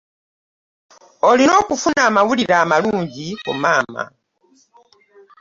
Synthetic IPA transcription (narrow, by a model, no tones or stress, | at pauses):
olino̞ːkufunaːmawuliɾaːmaluːɲɟikumaːma̰